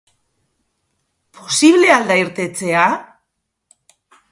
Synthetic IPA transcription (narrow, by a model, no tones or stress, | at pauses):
pʰo̞siβ̞le̞ald̪aiɾt̪e̞t͡se̞a